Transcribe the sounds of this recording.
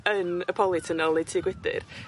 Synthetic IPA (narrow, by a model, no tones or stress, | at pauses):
ənəpʰɔlˠɪtʰənɔlˠɛtʰiːɡwɪdɪ̰r